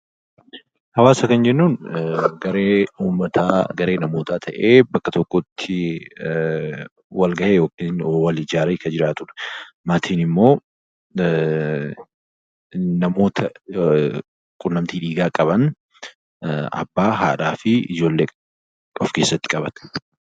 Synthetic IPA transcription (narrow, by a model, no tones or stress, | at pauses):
hɐwaːsɐkɐnd͡ʒɛnːuːnɡɐɾeːuːmːɐt̪ʰaːɡɐɾe̞ːnɐmo̞ːt̪aːt̪ʰɐʔeːbɐkːɐt̪ɔkːɔt̪ʰːɪ | wɐlɡɐʔeːjoːkɪnwɐlɪd͡ʒaːɾɐjkɐd͡ʒɪɾaːt̪ʊᶑɐ̥maːt̪ʰiːnɪmːo̞ː | nɐmo̞ːt̪ʰɐ | kʼʊnːɐmt̪iːᶑiːɡaːkʼɐbɐn | ɐ̰bːaːɦa̰ːᶑaːfɪʔɪ̰d͡ʒo̞ːlːeː | ɔfke̞ːsːɐt̪ːɪ̥kʼɐbɐt̪ɐ̥